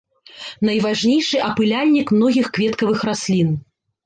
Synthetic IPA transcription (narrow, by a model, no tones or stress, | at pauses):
nɐjvaʐnʲejʂɨʔɐpɨlʲalʲnʲikmnɔɣʲixkvʲɛt̪kɐvɨxɾasʲlʲin